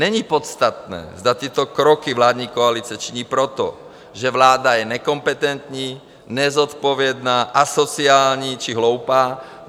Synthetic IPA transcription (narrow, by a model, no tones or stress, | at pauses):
ɲɛɲiːpɔt̪st̪at̪nɛ̰ːzd̪at̪ɪɛt̪ɔkɾɔkiʋlaːd̪ɲiːkɔalit͡siɛt͡ʃiɲiːpɾɔt̪ɔ̰ | ʒɛʋlaːd̪ajɛɲɛkɔmpɛt̪ɛnt̪ɲiː | ɲɛzɔt̪pɔʋɪɛd̪naːʔasɔt͡siaːlɲit͡ʃiɦlɔʊpaː